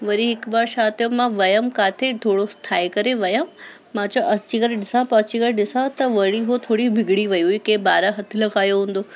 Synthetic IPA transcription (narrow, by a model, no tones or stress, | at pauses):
ʋɐɾiɦɪkbaːɾʃaːt̪ijõmãʋɐjəmkaːt̪ʰet̪ʰoːɽost̪ʰaːikɐɾeʋɐjə̃ | mãːt͡ɕoʔɐst͡ɕiɡɐɾɗɪsãpɐːt͡ɕiɡəɾɗɪsãt̪ɐʋɐɽiɦot̪ʰoːɽibʱɪɡʱɽiʋɐjuikẽːbaːɾaɦɐt̪ʰɪ̆lɐɡaːjoɦũːn̆d̪oː